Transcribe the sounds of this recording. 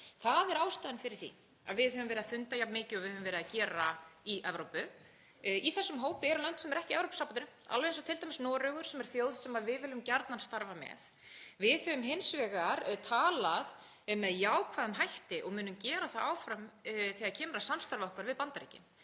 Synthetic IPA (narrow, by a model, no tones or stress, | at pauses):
θaðɛɾaːwst̪aːðnfɪɾɪɾ̥θḭ | a̰ðvɪðhœːvʏmvɛɾðafʏnt̪ajap̪mɪːcɪɔvɪðhœvʏmvɛːɾɪðacɛːɾaiʔɛvɾowpʏ | iθɛsːʏmɦoːwpɪɛɾʏlœnt̪sɛmɛɾɛhcɪɛvɾowpsapanʏnma̰lvɛjɛns̬ɔwt̪ʰɪlt̪ajmɪsnɔːɾʏɣʏɾ̥sɛmɛɾ̥θjoːwðsɛmaðvɪðvɪːlʏmcaɾt̪nanst̪aɾvamɛ̰ð | vɪðhœvʏmɦɪnsvɛːɣaɾt̪ʰaːlað | mɛðjaːwkʰvaðʏmɦajht̪ɪʔɔɣmʏːnʏmcɛːɾaθaaːwfɾamθiaðcʰɛːmɾasamst̪aɾvaɔhkvaɾvɪðpant̪aɾiːcɪ̰m